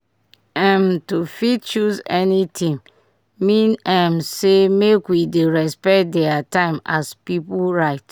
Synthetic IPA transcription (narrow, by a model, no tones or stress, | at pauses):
ɛmtufitt͡ʃuzɛnitʰĩŋ | mĩnɛmsemekwideɹɛspɛt̚dɛatãɪ̃maspiplɹaɪt